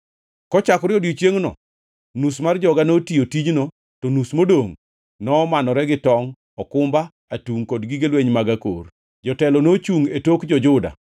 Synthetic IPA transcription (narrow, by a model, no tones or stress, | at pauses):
kɔt͡ʃakɾɪɔdit͡ʃjeŋnɔ̰ | nusmard͡ʒɔɡanotijotid͡ʒno | tɔnusmodoŋ | nɔmanɔɾɛɡɪtɔŋ | ɔkʊmba | atuŋkɔdɡɪɡelweɲmaɡako̰r | d͡ʒɔtɛlɔnot͡ʃuŋetokd͡ʒɔd͡ʒʊda̰